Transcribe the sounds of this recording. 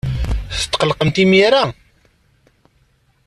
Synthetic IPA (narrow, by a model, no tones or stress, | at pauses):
θə̥t̪ːqəlqəmt̪imiɾa